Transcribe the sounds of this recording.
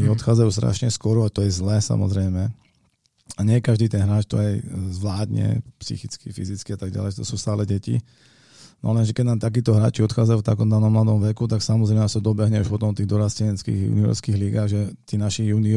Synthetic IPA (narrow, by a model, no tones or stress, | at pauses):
iɔt̪xaːd͡zajust̪ɾa̰ʃɲɛskɔɾuat̪ɔjɛzlɛsa̰mɔ̰zɾɛjmɛ | aɲɪɛjɛkaʒd̪iːt̪ɛnɦɾaːt͡ʃt̪ɔ̰ajzʋlaːd̪ɲɛ̰psḭxit͡skḭfḭzit͡skiat̪aɡ̚ɟa̰lɛjʒɛt̪ɔsuːst̪aːlɛɟɛcḭ | nɔ̰alɛnʒɛkɛɟnaːmt̪ak̬iːt̪ɔɦɾa̰ːt͡ʃiɔt̪xaːd͡zajuft̪akɔmd̪anɔmlad̪ɔmʋɛkut̪aksamɔzɾɛɪmɛast̪ɔd̪ɔbɛɦɲɛuʃpɔt̪ɔmɔt̪iːɣd̪ɔɾascɛɲɛt͡skḭːɣjṵːniɔ̰ɾskiːɣliːɡaːɣʒɛt̪iːnaʃijuːni